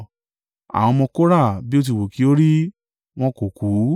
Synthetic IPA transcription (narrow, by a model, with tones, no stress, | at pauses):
a̰˨w̃ɔ̃˧mɔ̃˧ko˦ɾa˦˨bi˦o˦t̬i˧˨wo˨ki˨˦o˦ɾi˦ | w̃ɔ̃˦ko˨ku˨˦